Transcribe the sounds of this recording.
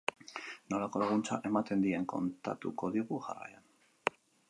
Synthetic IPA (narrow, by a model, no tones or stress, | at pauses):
no̞lako̞laɣunt͡saʔe̞mat̪e̞nd̪ie̞ŋko̞̰nt̪a̰t̪ṵko̞ðiɣ̞uʝa̰ra̰ja̰n